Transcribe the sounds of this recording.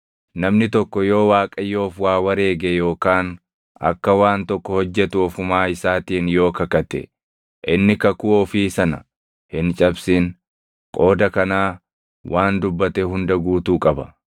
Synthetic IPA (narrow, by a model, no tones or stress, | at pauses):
nɐmnɪt̪ɔkːɔjo̞ːwaːkʼɐjːo̞ːfwaːwɐɾe̞ːɡɛjo̞ːkaːn | ɐ̰kːɐwaːnt̪ɔkːɔhɔd͡ʒːɛt̪ʊɔfʊmaːɪsaːt̪iːnjo̞ːkɐkɐt̪ɛ̰ | ʔɪnːɪkɐkʊːfiːsɐnɐ̰ | hɪnt͡ʃʼɐbsiːn | kʼo̞ːd̪ɐkɐnaː | wʔaːnd̪ʊbːɐt̪ɛɦʊnd̪ɐɡuːt̪uːkʼɐbɐ